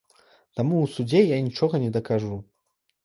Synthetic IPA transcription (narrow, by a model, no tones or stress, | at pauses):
t̪amuwsud͡zʲejanʲit͡ʂɔɣɐnʲɛd̪ɐkaʐu